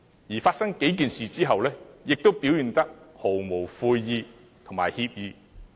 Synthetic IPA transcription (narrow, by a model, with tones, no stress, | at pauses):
jiː˨˩faː˧t̚sɐ˥ŋke˨˥jkiː˨nsiː˨t͡siː˥ɦɐ˨wlɛː˥jɪ˨k̚t̪o˥wpiː˨˥wjiː˨˩nt̪ɐ˥k̚ho˨˩wmo˨˩wfuː˧jːiː˨˧ | t̪ʰʊ˨˩maː˨˩jhiː˧p̚jiː˨˧